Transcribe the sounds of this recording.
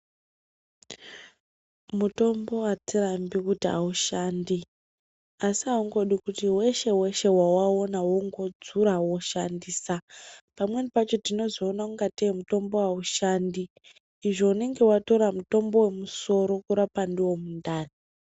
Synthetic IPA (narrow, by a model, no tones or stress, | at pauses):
muto̞mbo̞watirambikutiɦa̰uʃandi | asiauŋɡo̞ɗikutiwe̞ʃe̞we̞ʃe̞wawaonawoŋɡo̞d͡zuɾawo̞ʃandiːsapamwe̞nipat͡ʃo̞tino̞zoːnakuŋɡatemuto̞mbo̞wauʃandiː | ʐo̞une̞ŋɡe̞wato̞ɾamuto̞mbo̞we̞muso̞ɾo̞kuɾapandiwo̞mundaːni